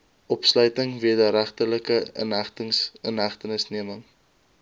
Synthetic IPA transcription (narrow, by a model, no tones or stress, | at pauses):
ʔɔpslœɥtəŋviədəɾæχtələkəə̰nɦæχtəŋsənɦæχtənəsniəməŋ